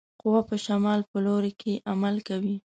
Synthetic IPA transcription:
qʊwapəʃamɑlpəloɾekʰeʔamalkawi

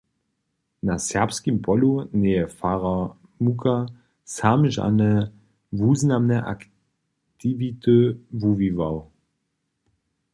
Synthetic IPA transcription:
nasɛʁpskimpɔlunɛjɛfaʁa | mukʰa | samʒa̰nɛ | vuːznamnɛʔa̰k | t̪ivit̪əvuvivaw

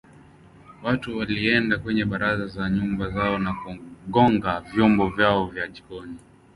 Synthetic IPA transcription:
watuwaliɛndakwɛɲɛɓaɾazazaɲumbazaɔnakuɠɔŋɡavjɔmbɔvjaɔvjaʄiɡɔni

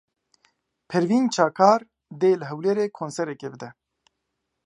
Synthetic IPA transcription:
pʰɛɾviːnt͡ʃʰaːkʰaːɾ | d̪eːlɨɦɛwleɾeːkʰoːnsɛɾɛkeːbɨd̪ɛ

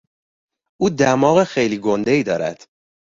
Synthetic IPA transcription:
ʔuːd̪æmɒːɣexejliːɡo̞nd̪e̞iːd̪ɒːɾæ̰d̪̥

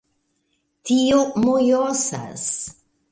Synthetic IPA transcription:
tiomojosa̰s

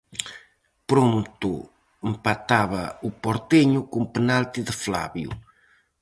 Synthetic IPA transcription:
pɾomt̪ʊ | empat̪aβɐupɔɾt̪eɲʊkumpənalt̪iðəfla̰βjṵ

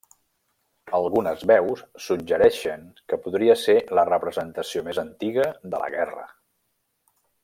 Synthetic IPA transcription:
əlˠɣunəzβɛwsːud͡ʒəɾɛʃəŋkəpuðɾiəselərəpɾəzənt̪əsiomezənt̪iɣəðə̰lə̰ɣɛrə̰

